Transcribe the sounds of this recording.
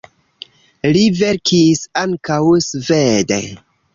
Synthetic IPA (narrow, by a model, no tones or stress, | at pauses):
liveɾkʰisaŋkawsvedḛ